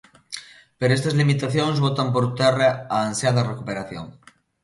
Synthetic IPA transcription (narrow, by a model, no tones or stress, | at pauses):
peɾoest̪ezlimit̪aθjoŋzβot̪amp̬oɾt̪ereaːnsjaðarekupeɾaθjo̰ŋ